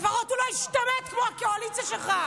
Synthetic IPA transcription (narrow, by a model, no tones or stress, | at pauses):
vaʁot̪ulojiʃt̪amet̪kmoakealit͡saʃelχa